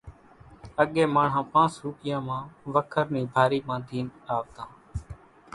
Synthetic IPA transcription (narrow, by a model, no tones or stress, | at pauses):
əɠeːmaːɳ̤ɦãːpãːt͡ʃɾuːkɪjãːmãːʋəkʰəɾnĩːbʱaːɾiːmãːd̪ʱiːnaːʋt̪ãː